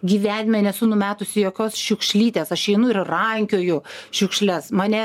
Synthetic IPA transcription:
ɡʲiːʋʲæːnʲmʲɛnʲɛsʊnʊmʲæːt̪ʊsʲɪjoːkʲoːsʃʲʊkʃʲlʲiːt̪ʲeːsɐʃɛɪnʊɪrrɐŋʲkʲoːjʊʃʲʊkʃʲlʲɛsmɑːnʲɛ

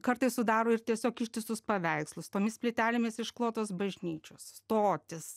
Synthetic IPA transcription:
kɐɾt̪ɐɪssʊd̪ɑːɾoːɪrt̪ʲiɛsʲoːkɪʃʲt̪ʲɪst̪ʊspɐʋʲɛɪkslˠʊst̪oːmʲɪsʲpʲlʲɪt̪ʲæːlʲɪmʲɪsɪʃklˠoːt̪oːsbɐʒʲnʲiːt͡ʃʲosst̪oːt̪ʲɪs

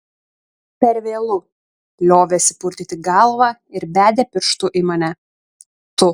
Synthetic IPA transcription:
pʲɛɾʲʋʲeːlˠʊ | lʲoːʋʲesʲɪpʊɾʲt̪ʲit̪ʲɪɡɐlˠʋɑːɪɾbʲæːd̪ʲɛpʲɪɾʃt̪ʊʔimɐnʲɛ | t̪ʊ

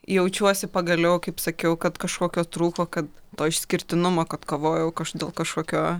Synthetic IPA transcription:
jɛʊt͡ʃʲuɔsʲɪpɐɡɐlʲɛʊkɐɪpsɐkʲɛʊkɐt̪kɐʃkoːkʲoːt̪ɾuːkoːkɐt̪t̪oːɪʃʲsʲkʲɪɾʲt̪ʲɪnʊmoːkɐt̪koːʋoːjɛʊkɐʃd̪ʲeːlˠkɐʃkoːkʲoː

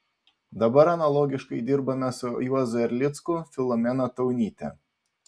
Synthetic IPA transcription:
d̪ɐbɐɾɐnɐlˠɔːɡʲɪʃkɐɪd̪ʲɪɾbɐmʲɐsʲʊjuɔzɛɾʲlʲɪt̪skufʲɪlˠɔmʲɛnɐt̪ɐʊnʲiːt̪ʲɛ̰

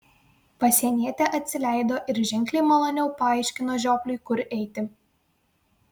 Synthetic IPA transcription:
pɐsʲiɛnʲiɛt̪ʲɛʔɐt̪ʲsʲɪlʲæɪd̪oːʔɪɾʒʲɪŋʲklʲɛɪmɐlˠoːnʲɛʊpɐɐˑɪʃʲkʲɪnoːʒʲoːklʲʊɪkʊɾʔɛɪt̪ʲɪ

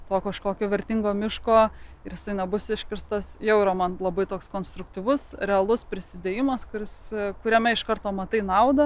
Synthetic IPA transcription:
t̪oːkɐʃkoːkʲoːʋʲɛɾʲt̪ʲɪŋɡoːmʲɪʃkoːɪɾjɪsɐɪnʲɛbʊsʲɪʃʲkʲɪɾst̪ɐsjɛʊiɾɐmɐnlˠɐbɐɪt̪oːkskoːnst̪ɾʊkt̪ʲiːʋʊsɾʲɛɐlˠʊspʲɾʲɪsʲɪd̪ʲeːjɪmɐskʊɾʲɪskʊɾʲɛmʲɛɪʃkɐrt̪oːmɐt̪ɐɪnɐʊd̪ɐ

